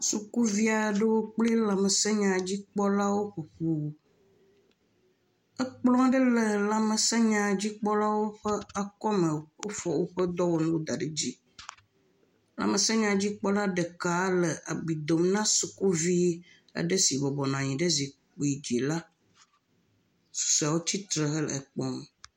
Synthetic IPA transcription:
su˨ku˦vi˦a˨˦ɖə˦wo˦k͡ple˦la˨mə˨sɛ˦ɲã˨d͡ʑi˦k͡pɔ˦la˦wo˦ɸu˨ɸu˨ | ə˦k͡plɔ̃˦ɖə˦lə˨la˨mə˨sɛ˦ɲã˨d͡ʑi˦k͡pɔ˦la˦wo˦ɸə˦a˨kɔ˦mə̃˨wo˦fɔ˨wo˦ɸə˦d̪ɔ˦wo˦nũ˦lo˦d̪a˨ɖe˦d͡ʑi˦ | la̰˨mə˨sa˦ɲã˨d͡ʑi˦k͡pɔ˦la˦ɖə˨ka˦lə˨ʔa˨bi˨d̪o˨mnã˦su˨ku˦vi˦ | a̰˨ɖə˦si˨bɔ˨bɔ˨nã˨ɲĩ˨ɖə˦zi˨ | k͡pu˨i˨d͡ʑi˨la˦ | su̥˨sa˨wo˦t͡ɕi˦t̪ɾə˨ɦə˦l̰ɛ˨k͡pɔ˦m

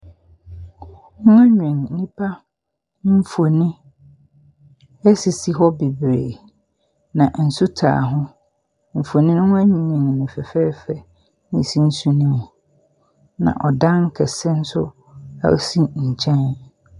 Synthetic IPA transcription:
ʊ̃˦a˦ɲᶣ˨ĩ˨ŋ̩˨nĩ˦pʰa˦ | m̩˦fo˨nĩ˦ | ɛ˦si˨si˨ɦɔ˦be˨bɾḛː˨ | nã˨n̩˨sʊ˦tʰa̰ː˨ɦʊ̃˦ | m̩˨fo˨nĩ˦nʊ̃˦ʊ̃˦æ˦ɲĩ˨ɲĩ˨ŋ̩˨nĩ˨fɛ˨fɛː˦fɛ˦ | nĩ˨sĩ˦n̩˦su˦nĩ˦mʊ̃˨ | nã̰˨ʔɔ˨dã˦ŋ˦kʰɛ˨sɛ˦n̩˦sʊ˦ | a̰˦˨o̰˦sĩ˦ɲ̩˨t͡ɕʰɛ̃˦n

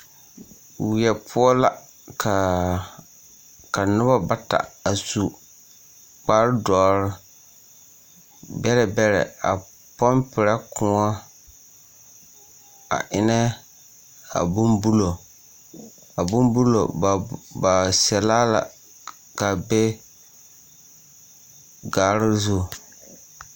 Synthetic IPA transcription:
wɪ˨ɛ˨pʰʊ˦ɔ˦la˨ | kʰa˨ | ka˨nʊ˦ba˦ba˦ta̰˨a˨su˨ | k͡pa˦ɾdɔː˨ɾɪ˦ | bɛ˦lɛ˨bɛ˦ɾɛ̰˨a̰˨ | pɔ˦mpɪ˨ɾa˦kʰʊ̃˨˦ɔ˦ | a̰˨ʔɪ˦nɛ˦ | a̰˨bʊ˦mbu˦lo˨ | a˨bʊ˦mbu˦lo̰˨ba˨sɛ˨laː˦la̰˨ | ka˨be˦ | ɡaː˨˦ɾɪ˦ɾzʊ˦˨

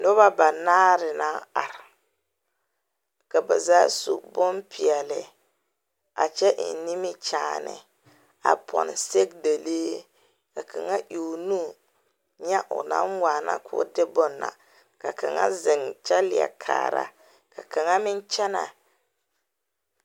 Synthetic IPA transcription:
nʊ˦ba˦ba˨naː˦ɾɪ˨na˦a˨ɾ | ka˨ba˨zaː˦su˨bʊ˦npi˨ɛ˨lɪ˨ | a̰˨t͡ʃɛ˦ʔni˦mɪ˦t͡ʃaː˨nɪ̰˨ | a̰˨pʰɔ̰˨n˨se˦k̚de˨leː˦ | ka˨ka˨ŋa˦ʔi˨nu˦ | ɲɛ˦ʔʊ̰˨na̰˦nwaː˨na̰˦kʰʊ˦dɪ˦bʊ˦nːa̰˨ | ka˨ka˨ŋa̰˦zɪ˨ŋt͡ʃɛ˦lɪ˨a̰˨kʰa̰ː˨ɾa̰˦ | ka˨ka˨ŋa˦mɪ˦nt͡ʃɛ˦na̰˨

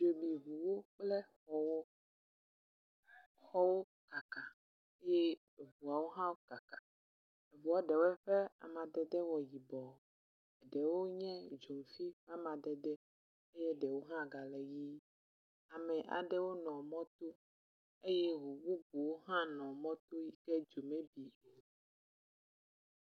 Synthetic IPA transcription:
d͡ʒo˨bi˨ɦu˨wo˦k͡plɛ˦xɔ˨wo˦ | xɔ˦wo˦ | ka˨ka˨ | e˦jɛ˦˨ | vu˨a˨wo˦ɦã˦wo˦ka˨ka˨ | e˨vu˨a˦ɖɛ˨wɛ˦ɸɛ˦a̰˨mã˨d̪ɛ˨d̪ɛ˦wɔ˨ji˨bɔ˨ | ɛ˨ɖɛ˨wo˦ɲɛ̃˦d͡ʒo˨m˨fi˦ɸa˦mã˨d̪ɛ˨d̪ɛ˦ | e˦jɛ˦ɖɛ˨wo˦ɦã˦˨ɡa˨lɛ˨ji˦ | a˨mɛ̃˨ʔa̰˨ɖɛ˦wo˦nɔ̃˨mɔ̃˦t̪o˦ | e˦jɛ˦ɦo˨wu˦ɡu˨wo˦ɦã˦nɔ̃˨mɔ̃˦t̪o˦ji˦kɛ˦d͡ʒo˨mẽ˦bi˨

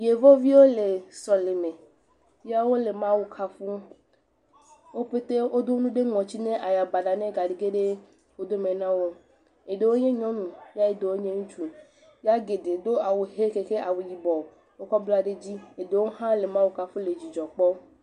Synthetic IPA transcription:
je˨vɔ˦vi˦wo˦le˨sɔ˨le˨mẽ˨ | vi˦a˦wo˦le˨mã˦wu˨kʰa˦fu˦ | wo˦ɸe˦t̪e˦wo˦d̪o˦nũ˦ɖe˦ŋɔ̃˨t͡ɕi˦nẽ˦ʔa˨ja˨ba˨ɖa˨nɛ̃˦ɡa˨ɖi˨ɡe˦ɖe˦ | wo˦d̪o˦mẽ˨nã˦wo˦ | e˨ɖe˨wo˦ɲẽ˦ɲɔ̃˦nũ˨ja˦e˨d̪e˨wo˦ɲẽ˦ŋũ˦t͡ʃu˨ | ja˦ɡe˨ɖe˨d̪o˦a˨wu˨ɦe˦ke˨ke˦ʔa˨wu˨ji˨bɔ˨ | wo˦kɔ˦blɔ˦a˨ɖe˦d͡ʑi˦e˨de˨wo˦ɦã˦le˨mã˦wu˨ka˦fu˦le˨d͡ʑi˨d͡ʒɔ˨k͡pɔ˦

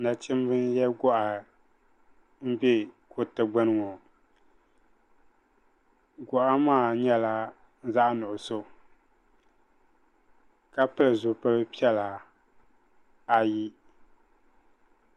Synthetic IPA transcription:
na˨t͡ʃɪ˦m˦bɨ˦njɛ˦ɡɔ˦ʔa˨ | m̩˦bɛ˦kʰo˨tɨ˨ɡ͡ba˦nɨ˦˨ŋɔ˨ | ɡɔ˨ʔa˦maː˦˨ɲɛ˦la˦ | n̩˦za˦ʔnʊ˨ʔʊ˨so˦ | ka˦pɨ˦lɨ˨zʊ˨pɨ˦lɨ˦pi˦ɛ˦la˨ | a˨ji˦

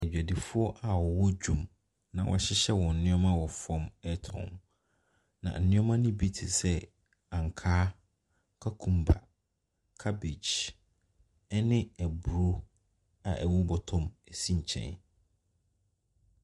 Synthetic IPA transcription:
ɛ˨d͡ʑᶣa˨di˨fʊ˦ɔ˦ʔa˨wɔ˨wɔ˦d͡ʑᶣũ˦m | nã̰˨wʔɔ̰˨ɕɪ˦ɕɛ˦wɔ̃˨n̩˨nɪ̃˦ɔ˦mã˦wɔ˨fɔ̃˦mɛ˦tʰɔ̰̃˨m | nã̰˨n̩˨nɪ̃˦ɔ̃˦mã˦nʊ̃˦bi˦tʰɪ˨sɛ˦ | ã˨ŋ˨kʰaː˦ | kʰa˦kʰũ˨mba˨ | kʰa˦be˨d͡ʑ | ɛ˦nɪ̃˦ɛ˨bu˨ɾo˦ | a̰˨ʔɛ˨wu˦bɔ˨tʰʊ̃˦mɛ˨sĩ˦˨ɲ̩˨t͡ɕʰɛ̰̃˦n

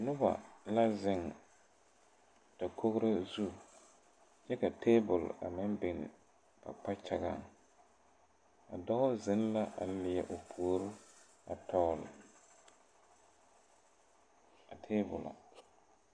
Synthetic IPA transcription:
nʊ˦ba̰˨la˦zɪ˦ŋ | ta˨kʰo˦ɣɾa˦zu˦ | t͡ʃɛ˦ka˨tʰeː˦bʊ˨la̰˨mɪ˦nbɪ˨nɪ̰˨ | ba̰˨k͡pa˦t͡ʃa˨ɡa̰˦˨ŋ | a̰˨dɔ˦ʊ˦zɪ˦n˦la˦ʔa̰˨lɪ˨jɛ˨ʔʊ˨pʰuː˨o˨˦ɾʊ˦ | a˨tʰɔː˦l | a˨tʰe˦bʊ̰˨la̰˨

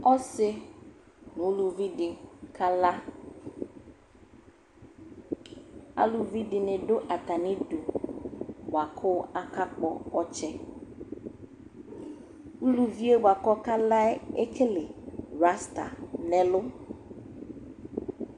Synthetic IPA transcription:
ɔ˦sɪ˦ | nʊ̃˨˦lu˨vi˦dɪ˨kʰa˦la˦ | a̰˦lu˨vi˦dɪ˨nɪ̃˨ɖʊ˦ʔa˨t̪a˨nɪ̃˦du˨ | ba˨kʰʊ˦a˨ka˦k͡pɔ˦ɔ˦t͡ʃɛ˦ | u˦lu˨vi˦e˦ba˨kɔ˦ka˦la˦ɛ˦kʰɪ˦lɪ˨ɾa˦sta̰˨nɛ˦lʊ˦

